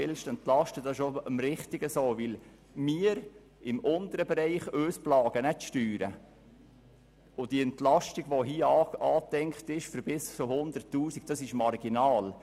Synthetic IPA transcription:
ɪlʃtɛnt̪lɑʃtəd̥ɑsɪʃoəmɾɪχtiɡəsoːʋɪl | miəɾ | ɪmʔʊnt̪əɾəbɛɾɛɪχøːsplɑːɡ̥ənɛʃtyːɾə̰ | ʊd̥iɛnt̪lɑʃtiɡ̥ʋoɦiːɑːt̪ɛŋktɪʃfəɾbɪst͡sʊhʊnd̪ərtːuːsiɡ̥̚d̥ɑsɪʃmɑrɡ̥inɑːl

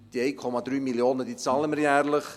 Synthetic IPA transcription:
d̥iɛjkʰɔmɑd̪ɾyːmiljoːnədit͡sɑːləməɾjæːɾləχ

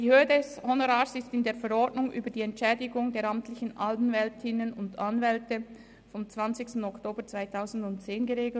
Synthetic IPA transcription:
d̥iːhøːədɛshonoʁaːsɪstɪndeːɐfɛɾɔɹdnʊŋʔy̰ːbədiːɛntt͡ʃʃɛːdɪɡʊŋdeːɐɾamtlɪçn̩ʔalpn̩vɛltʰɪnənʊndanvɛltə | fɔmt͡sv̥ant͡sɪçstn̩ɔktoːbət͡sv̥aɪtʰaʊzn̩dʊntt͡seːnɡəʁeːɡl̩

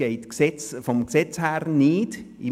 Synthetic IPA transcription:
ɛɪtksɛt͡sfɔmksɛt͡shæɾniːdi

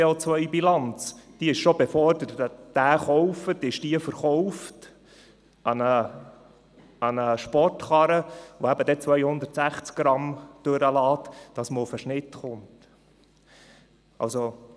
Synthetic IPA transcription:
eot͡sʋœʏbilɑnt͡sd̥iəɪʃʃobɛfɔrd̪əɾətd̥æːχɔwfətɪʃd̥iəfəɾχɔʊft | ɑnə | ɑnəʃpɔrtχɑɾəʋoæbəd̥̪ɛt͡sʋœjhʊnd̪əɾtsæχt͡sk̚ɡ̥ɾɑmd̥ɵɾəlɑːt̪d̥ɑsməʊfəʃnɪtχʊnt | ɑ̰lso

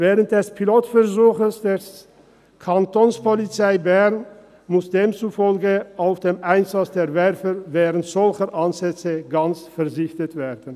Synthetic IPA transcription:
vɛːʁənt̚d̥ɛspʰiloːtfɛɐʁzuːxəsd̥eːs | kʰantonspolit͡saɪbɛʁn | mʊsd̥eːmt͡sufɔlɡəʔaʊfd̥eːmʔaɪnzat͡sd̥eːɐvɛʁfəvɛːʁəntz̥ɔlçəʁʔanzɛt͡səɡant͡sfɛɐzɪçtətv̥eːdn̩

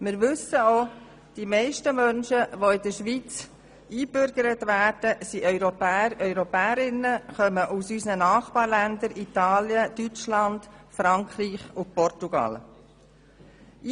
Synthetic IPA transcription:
mɪɾʋʏsəoː | d̥imɛɪʃtəmœnʃəʋoɪd̥̪əɾʃʋit͡s | iːb̥ʏɾɡ̥əɾətʋæːɾd̥əsiʔœʏɾɔpæːəɾœʏɾɔpɛːəɾɪnəχœməʔusysnənɑːχbɑːɾlænd̪əɾit̪ɑːljəd̪yt͡ʃlɑnd̪̥fɾɑŋkχriːχʊpɔrtuɡ̥ɑ̰l

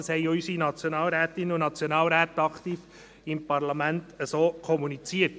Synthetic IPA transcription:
shɛɪɔysinɑt͡sjonɑːlɾæːtɪnəunɑt͡sjonɑːlɾæːt̪ɑkt̪iːf | ɪmpɑɾlɑmæntəsoːkʰɔmunit͡siəɾt

